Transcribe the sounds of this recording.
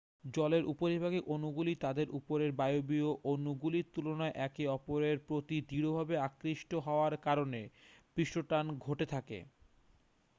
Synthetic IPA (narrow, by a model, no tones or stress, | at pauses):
d͡ʑɔleɾʔupoɾibʱaɡeʔonuɡulit̪ad̪eɾʔṵpoɾeɾbajobioʔonuɡuliɾt̪ulonaeʔɛkiɔpoɾeɾpɾot̪id̪ʱiɾobʱabeakɾiʃʈoɦɔoaɾkaɾonepɾiʃoʈanɡʱoʈet̪ʰakḛ